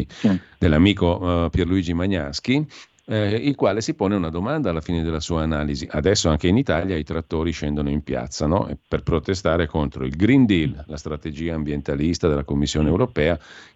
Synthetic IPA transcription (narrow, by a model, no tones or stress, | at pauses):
d̪elːamiːkopjerluiːd͡ʒimaɲːask̟i | ilkwaːlesipoːneunad̪omand̪aːlːafiːned̪elːasuːaːnaːliziʔad̪ɛsːoaŋkeinit̪aʎjait̪ɾat̪ːoːɾiʃɛnd̪onoimpja̰t̪sːanɔ̰ʔḛperpɾot̪est̪aːɾekont̪ɾoilɡɾind̪illast̪ɾat̪ed͡ʒiːaːmbjent̪alist̪ad̪elakomːisːjoːneːwɾopɛːa